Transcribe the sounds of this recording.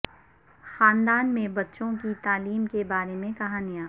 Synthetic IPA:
xaːnd̪aːnmẽbɐtːʃõkit̪aːliːmkebaːɾemẽkɐɦaːnijãː

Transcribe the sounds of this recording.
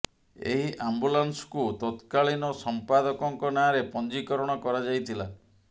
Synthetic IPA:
ḛɦiʔambulansɔ̥kut̪ɔt̪kaɭinɔsɔmpad̪ɔkɔŋkɔnaaɾepɔnd͡ʒikɔɾɔɽ̃ɔkɔɾad͡ʒajt̪ʰila

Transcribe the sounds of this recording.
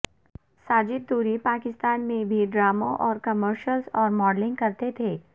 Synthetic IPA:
saːd͡ʒɪt̪̚d̪uːɾipaːkɪst̪aːnmẽbʱiɖɾaːmõʔɔːɾkɐməɾʃəlzɔːɾmɔːɖlɪ̃ŋɡkɐɾt̪et̪ʰeː

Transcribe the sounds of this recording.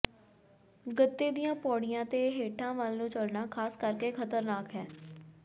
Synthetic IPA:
ɡət̪ːeːd̪ijãːpɔːɽɪjãːt̪eːɦeːʈʰãːʋəlnũːt͡ʃəlnaːkʰaːskəɾkeːkʰət̪əɾnaːkɦɛː

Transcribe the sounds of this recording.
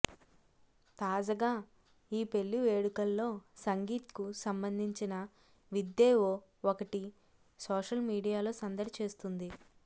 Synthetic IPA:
t̪aːd͡ʒɐɡaː | iːpe̞lːuʋe̞ːɽukɐlːo̞ːsɐŋɡiːt̪kusɐmbɐnd̪ʱiɲt͡ʃinɐ | ʋid̪ːeːʋoː | okɐʈi | soːʃɐlmiːɽijaːloːsɐnd̪ɐɾit͡ʃe̞ːst̪und̪i

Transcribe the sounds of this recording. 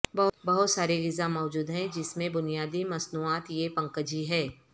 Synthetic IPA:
bɐbɐɦʊt̪saːɾeɡɪzamɔːd͡ʒuːd̪ɦɛ̃d͡ʒɪsmẽbʊnijaːd̪imɐsnuːaːt̪jepɐ̃ŋkəd͡ʒiɦɛː

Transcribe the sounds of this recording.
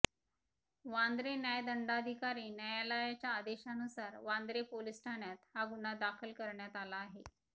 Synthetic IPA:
ʋãnd̪ɾenjajd̪əɳɖad̪ʱikaɾiːnəjalajat͡ɕjaːd̪eɕanusaɾʋãnd̪ɾepolisʈʰaɳjat̪haɡunad̪akʰəlkəɾɳjat̪alaːɦe

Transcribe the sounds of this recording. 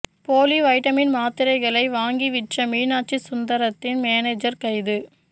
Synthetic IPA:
poːliʋɐɪʈɐmɪnmaːt̪ɪɾɐɪɣɐɭɐɪʋaːŋɡiʋɪʈrɐmiːnaːʈ̚t͡ʃisʊnd̪ɐɾɐt̪ːɪnmeːneːd͡ʒɐɾkɐɪðɯ

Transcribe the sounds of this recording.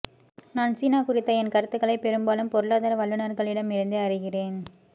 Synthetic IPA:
naːnsiːnaːkʊɾɪt̪ːɐɛnkɐɾɯt̪ːɯkːɐɭɐɪpɛɾɯmbaːlɯmpɔɾɯɭaːðaːɾɐʋɐɭːɯnɐɾɣɐɭɪɽɐmɪɾɯnd̪ɯɐrɪɣɪreːn

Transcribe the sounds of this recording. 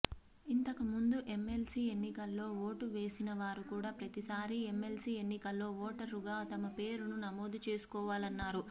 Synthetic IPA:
int̪ɐkɐmund̪uʔe̞mːe̞lsiːe̞nːikɐlːo̞ːʋo̞ːʈuʋe̞ːsinɐʋaːɾukuːɽaːpɾɐt̪isaːɾie̞mːe̞lsiːenːikɐlːo̞ːʋɔːʈɐɾuɡaːt̪ɐmɐpe̞ːɾununɐmoːd̪ut͡ʃe̞ːsu̥kɔːʋaːlɐnːaːɾu

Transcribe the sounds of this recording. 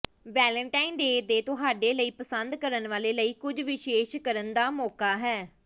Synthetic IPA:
ʋɛːləɳʈaːinɖeːd̪eːt̪ʊɦaːɖeːləiːpəsənd̪kəɾənʋaːleːləiːkʊd͡ʒʋɪʃeːʃkəɾənd̪aːmɔːkaːɦɛː

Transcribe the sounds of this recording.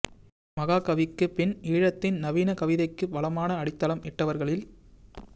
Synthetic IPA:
mɐɣaːkɐʋɪkːɯpɪniːɻɐt̪ːɪnnɐʋiːnɐkɐʋɪðɐɪkːɯʋɐlɐmaːnɐɐɽɪt̪ːɐlɐmʔɪʈːɐʋɐɾɣɐɭɪl

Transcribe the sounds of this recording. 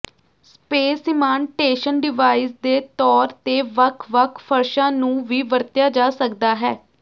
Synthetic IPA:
speːsɪmãːɳʈeːʃənɖɪʋaːiːsd̪eːt̪ɔːɾt̪eːʋəkʰʋəkʰpʰəɾʃãːnũːʋiːʋəɾt̪jaːd͡ʒaːsəkd̪aːɦɛː

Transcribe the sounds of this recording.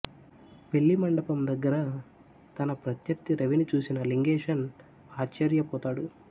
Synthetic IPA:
pe̞ɭːimɐɳɖɐpɐmd̪ɐɡːɐɾɐ | t̪ɐnɐpɾɐt̪jɐɾt̪iɾɐʋinit͡ʃuːsinɐliŋɡeːʂɐn | aːt͡ʃt͡ʃːɐɾjɐpɔːt̪aːɽu

